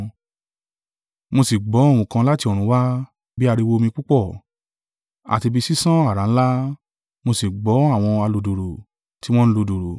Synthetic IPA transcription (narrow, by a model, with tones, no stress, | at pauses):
mo˧si˨ɡ͡bɔ˨˦˨w̃ũ˧kã˧la˦ti˧o˨ɾ̃ũ˨˦wa˦ | bi˦a˧ɾi˧wo˦˧mĩ˧k͡pu˦k͡pɔ˦˨ | a̰˨ti˧bi˧si˦sã˦a˦˨ɾa˨n̩˦la˦ | mo˧si˨ɡ͡bɔ˨˦a˦˨w̃ɔ̃˧a˧lu˨do˨ɾo˨ | ti˨˦w̃ɔ̃˦ñ̩˦lu˧˨do˨ɾo˨